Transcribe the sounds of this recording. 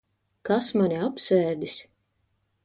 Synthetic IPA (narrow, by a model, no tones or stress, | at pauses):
kasmaniapsɛːd̪is